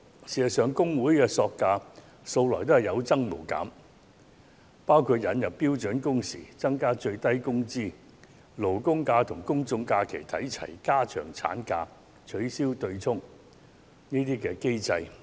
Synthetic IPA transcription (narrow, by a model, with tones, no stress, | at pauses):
siː˨˩sɐ˨˩sœː˨˧ŋkʊ˥ŋwuː˨˥jkɛː˧sɔː˧kːaː˧ | so˧wlɔː˨˩jt̪o˥ɦɐ˨˩jɐ˨˧wt͡sɐ˥ŋmo˨˩wka̰ː˨˥m | paː˥wkʰuː˧t̚jɐ˨˧njɐ˨pːiː˥wt͡ʃɵ˨˥nkʊ˥ŋsḭː˨˩t͡sɐ˥ŋkaː˥t͡ʃɵ˧ɥt̪ɐ˥jkʊ˥ŋt͡siː˥ | lo˨˩wkʊ˥ŋkaː˧t̪ʰʊ˨˩ŋkʊ˥ŋt͡sʊ˧ŋkaː˧kʰe˨˩jt̪ʰɐ̰˨˥jt͡sʰɐ̰˨˩jkaː˥t͡ʃʰœ̰ː˨˩ŋt͡sʰa̰ː˨˥nkaː˧ | t͡ʃʰɵ˨˥ɥsiː˥wt̪ɵ˧ɥt͡sʰʊ˥ŋ | niː˥t̪̬iː˥kɛː˧ke˥jt͡sɐ˧j